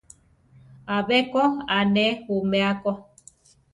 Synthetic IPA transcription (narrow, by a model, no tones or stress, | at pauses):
aβɛkɔanɛhomɛakɔ